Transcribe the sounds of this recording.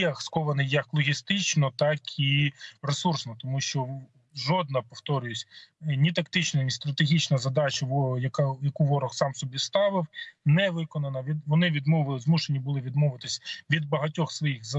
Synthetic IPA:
ɐkskɔʋɐnɪjjːɐklˠɔɦʲist̪ɪt͡ʃnɔt̪ɑkiresursnɔt̪ɔmuʃt͡ʃɔ | ʒɔd̪̚nɐpɔft̪ɔɾʲʊjɪsʲnʲit̪ɐkt̪ɪt͡ʃnɐnʲist̪ɾɐt̪eɦʲit͡ʃnɐzɐd̪ɑt͡ʃɐʋɔjɐkajɐkuʋɔɾɔxsɑmsɔbʲist̪ɑʋɪwnɛʋɪkɔnɐnɐʋʲiʋɔnɪʋʲid̪mɔʋˠzmuʃenʲibʊlˠɪʋʲid̪mɔʋɪt̪ɪsʲʋʲid̪̚bɐɦɐtʲɔxsʋɔjiɣzɐ

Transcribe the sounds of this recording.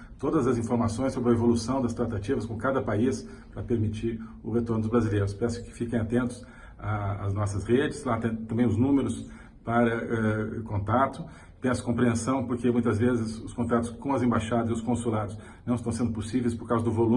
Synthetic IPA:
t̪od̪ɐzɐzĩfoɾmasõj̃sobɾɐevolusɐ̃w̃d̪ɐst̪ɾat̪at͡ʃivɐskõkad̪ɐpais | pɾɐpeɾmit͡ʃiɾʊhet̪oɾnʊd̪ʊzbɾazilejɾʊspɛsʊ̥kɪ̥fikẽj̃at̪ẽnt̪ʊ̥s | aːznɔsɐsʁed͡ʒɪslat̪ẽt̪ɐ̃mbẽj̃ʊznũmeɾʊs | paɾɐɛkõnt̪at̪ʊ | t̪ẽɛsɐ̥kõpɾiẽsɐ̃w̃poɾkemũj̃t̪ɐzvezɪsʊskõnt̪at̪ʊ̥skõɐzẽbajʃad̪ɐzɪʊskõsulad̪ʊs | nɐ̃ɪst̪ɐ̃w̃sẽnd̪ʊposivejspoɾkawzɐd̪ʊvolũ

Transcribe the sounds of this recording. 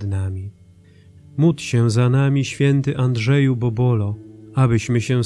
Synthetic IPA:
d̪namʲi | mut̪ɕɛ̃zanamʲiɕfʲjɛnt̪ɘʔand̪ʐɛjubɔbɔlɔabɘɕmɘɕɛ

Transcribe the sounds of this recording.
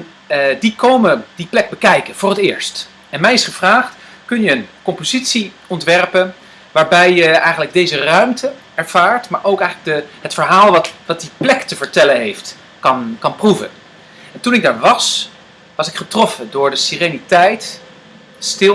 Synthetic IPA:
n | dikowmədiplɛk̚bəkɛjkənv̥ʊːrətɪːɹst | ɛnmɛjɪsχəv̥raːχt | kɵnjəːnkɔmpozitsiɔntʋɛrpən | ʋaːɹbɛjəɛjχənləɡ̚dejzərœɥmtə | ɛɹv̥aːɹtma̰ːɹʔowkɛjχələɡ̚dəɦətfəɹɦaːlˠʋɑtʋɑt̚diplɛktəvəɹtɛlənɦejft | kɑnkɑnpruvə̰n | ɛntunɪɡ̚daːɹʋɑs | ʋɑsɪkχətrɔfədʊːɹdəsirenitɛjt | stɪ

